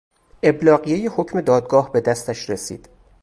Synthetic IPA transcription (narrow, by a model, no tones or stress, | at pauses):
ʔe̞blɒːɣije̞jeho̞cʰme̞d̪ɒːd̪̚ɡɒːhbe̞d̪æst̪æʃɾesḭːd̪̥